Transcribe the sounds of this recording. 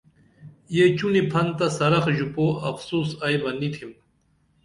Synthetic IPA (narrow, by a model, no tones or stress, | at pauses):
jet͡ɕunipʰɐnt̪ɐsɐɾɐxʑupoːɐfsuːsajmɐnit̪ʰim